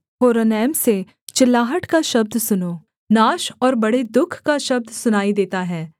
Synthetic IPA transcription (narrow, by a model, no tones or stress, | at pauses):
koːɾonɛːmse | t͡ʃɪlːaːɦəʈkaʃɐb̚d̪sʊnoː | naːʃɔːɾbɐɽed̪ʊkʰkaʃɐb̚d̪sʊnaːid̪eːt̪aɦɛː